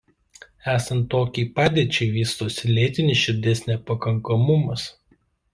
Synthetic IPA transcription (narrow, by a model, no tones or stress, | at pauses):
æːsɐnt̪ːoːkʲiːpɑːd̪ʲeːt͡ʃʲɛɪʋʲiːst̪oːsʲɪlʲeːt̪ʲɪnʲɪsʃʲɪɾʲd̪ʲɛsʲnʲɛpɐkɐŋkɐmʊmɐs